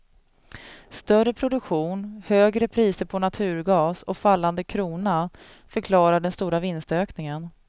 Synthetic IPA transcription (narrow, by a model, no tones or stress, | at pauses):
st̪œrəpʰɾʊd̪ɵkɧuːnhøːɡɾəpʰɾiːsəɾpʰɔnat̪ʰʉ̟ːɾɡɑːsɔkfalːand̪əkʰɾuːna | fœɾkʰlɑːɾaɖɛnst̪uːɾavɪnst̪øːknɪŋən